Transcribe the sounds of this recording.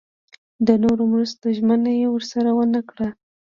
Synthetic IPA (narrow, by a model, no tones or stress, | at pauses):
d̪ənoɾomɾast̪oʒmənajewəɾsaɾawənakɽa